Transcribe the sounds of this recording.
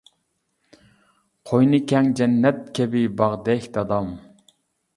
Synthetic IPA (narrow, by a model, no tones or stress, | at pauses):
qʰojnɨkʲʰɛŋd͡ʒɛnːɛt̪̚kʲʰɛbɪbɑʁd̪ɛhʲd̪ɑd̪ɑm